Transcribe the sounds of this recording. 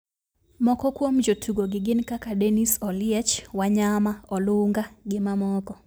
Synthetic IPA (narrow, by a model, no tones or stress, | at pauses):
mɔkɔkwomd͡ʒotʰuɡoɡɪɡɪnkakadɛnisɔlɪjɛt͡ʃwaɲamaɔlʊŋɡaɡɪmamɔkɔ